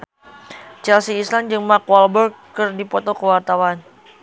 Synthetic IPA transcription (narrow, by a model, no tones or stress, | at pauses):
t͡ʃɛlsiːsland͡ʒɨŋmakwɔlbərɡ | kɨrdipɔt̪ɔkəwart̪awan